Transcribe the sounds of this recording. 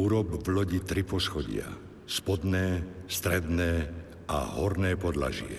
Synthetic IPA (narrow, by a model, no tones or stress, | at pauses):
uːɾɔbvlɔɟit̪ɾipɔsxɔɟɪ̰a̰ | spɔd̪nɛːst̪ɾɛd̪nɛː | a̰ɦɔɾnɛːpɔd̪la̰ʒɪɛ̰